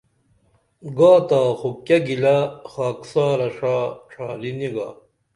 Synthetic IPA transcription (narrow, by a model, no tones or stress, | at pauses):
ɡaːt̪aːxokjɐɡilaxaːksaːɾɐʂaːʈ͡ʂʰaːliniɡa̰ː